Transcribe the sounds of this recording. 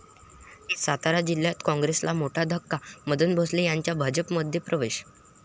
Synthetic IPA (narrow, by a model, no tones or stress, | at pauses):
ɦisat̪aɾad͡ʑilːjat̪kɔ̃ŋɡɾeslamoʈʰad̪ʱəkːaməd̪ʱuːnbʱoslejaɲt͡ɕjabʱad͡ʑəpməd̪ʱjepɾəʋeɕ